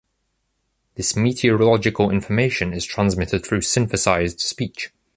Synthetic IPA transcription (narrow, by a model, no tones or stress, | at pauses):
ðɪsmiˑtʰiəɹəlɒd͡ʒɪkʰəlɪ̰̃ɱfəmeɪʃə̃nɪz̥tʰɹ̥ãnzmɪtʰɪd̪̚θɹʉːsɪ̃ɱfəsaɪzd̥spiˑt͡ʃ